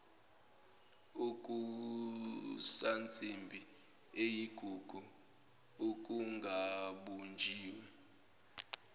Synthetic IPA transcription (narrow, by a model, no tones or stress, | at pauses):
ukʼu | sant͡sʼimbʱi | ejiɡ̥ʱuɡ̥ʱu | uk̬ʼuŋɡʱaɓund͡ʒʱiːwɛ